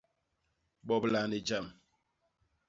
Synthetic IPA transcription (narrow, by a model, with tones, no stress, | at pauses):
ɓɔ˨bla˨ne˨d͡ʒa˦˨m